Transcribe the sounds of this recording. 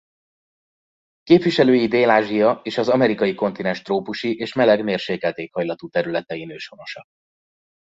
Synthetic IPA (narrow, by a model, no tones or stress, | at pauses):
keːpʋiʃɛløːjid̪eːlaːʒijɒeːʃɒzɒmɛɾikɒjiko̞n̪t̪inɛnʃt̪roːpuʃiʔeːʃmɛlɛɡmeːrʃeːkɛlt̪eːkhɒjlɒt̪uːt̪ɛɾylɛt̪ɛjinøːʃo̞no̞ʃɒ